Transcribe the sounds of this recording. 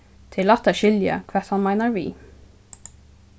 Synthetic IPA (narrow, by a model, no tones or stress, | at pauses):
t̪ʰɪlɑt̪ːæʃɪljə̰kʰʋɛːt̪hɑnmæɪnəɹʋḭː